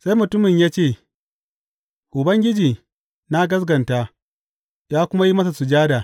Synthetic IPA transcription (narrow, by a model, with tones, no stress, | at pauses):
sa˦jmʊ˨tʊ˦mɪ˨ɲjaː˦t͡ʃeː˦˨ | ʔʊ˨bɐ˦ŋɡʲɪ˦d͡ʒiː˨ | na˦ɡɐ˦s̬ɡɐ˨nta˦ | jaː˦kʷʊ˦ma˦ji˦mɐ˦s̬a˨sʊ˨d͡ʒaː˦daː˨